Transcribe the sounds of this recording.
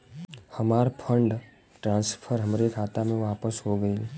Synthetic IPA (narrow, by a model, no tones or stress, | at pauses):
həmaːɾpʰə̃ɳɖ | ʈɾãːnspʰəɾɦəmɾekʰaːt̪amẽʋaːpəsɦoɡəi